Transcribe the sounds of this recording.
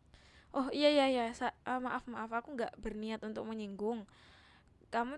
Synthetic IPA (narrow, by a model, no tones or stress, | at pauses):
ʔɔhijajajasaʔəmaʔafmaʔafakuŋɡaʔbərniat̪unt̪ʊk̚məɲiŋɡʊŋ | kamu